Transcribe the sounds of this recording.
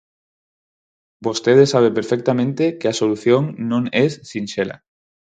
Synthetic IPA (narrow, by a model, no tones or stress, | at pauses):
bost̪eðesaβ̞epeɾfek̚t̪amẽnt̪ekɪasoluθjõŋnõŋesːinʃela̰